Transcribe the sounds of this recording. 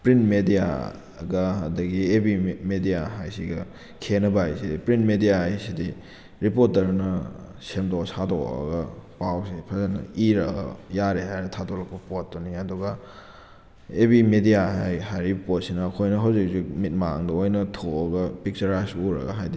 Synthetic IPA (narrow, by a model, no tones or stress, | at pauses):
pɾinmedija̰ | ɡɐːdɐɡiebimedijaɦajsiɡɐ | kʰenɐbaajsidipɾinmedijaɦajsidi | ɾipoɾtɐɾnɐ | semtosado̰ɐ̰ɡɐpawsipʰɐzanɐ̰iɾɐɡɐ̰jaɾeɦajnɐtʰadolɐk̚pɐpotːoniɐduɡɐ | ebimedijaɦajhajɾipot̚sinɐːkʰojnɐɦawzik̚sik̚mit̚maŋdɐojnɐtʰoɐɡɐpik̚t͡ʃɐɾajsuɾɐ̰ɡɐɦajdi